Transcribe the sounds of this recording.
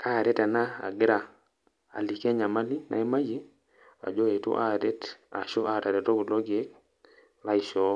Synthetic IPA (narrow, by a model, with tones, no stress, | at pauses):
kʰa˦˨ɾɛ˦tɛ˨na˦a̰˨ɡɪ˦ɾa˨ | a̰˨li˨ke˦ɲa˨ma˦li˦na̰˨i˦ma˦je˦ | a̰˨d͡ʒo˦e˨tṵ˦ʔa˦ɾe˦ta˨ʃo˦ʔa˦˨ta˨ɾɛ˨to˦ku˨lɔ˦ɡe˦k̚ | la˦ɪ˨ʃɔ˦